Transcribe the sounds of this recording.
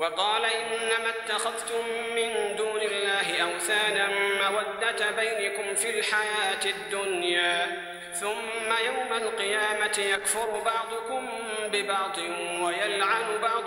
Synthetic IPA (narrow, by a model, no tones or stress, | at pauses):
wɑqɑːlaʔɪnːamat̪ːaxaðt̪ʊmːɪnd̪uːnɪlːaːɦɪʔawθaːnanmawad̪ːat̪bajnakʊmfilħajaːt̪ɪd̪ːʊnjaː | θʊmːajawmalqɨjaːmat̪ɪjakfʊɾbɑʕd̪ˤʊkʊm | bɪbɑʕd̪ˤɨnwajalʕanʊbɑʕd̪ˤ